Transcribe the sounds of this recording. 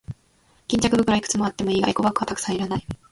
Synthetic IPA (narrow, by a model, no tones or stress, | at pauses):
kʲĩɲt͡ɕakɯ̟bɯ̟kɯɾaikɯ̟̥t͡sɨmo̞at̪ːe̞mo̞iːɡa̰iko̞bakɯ̟βat̪akɯ̥sãiɾanai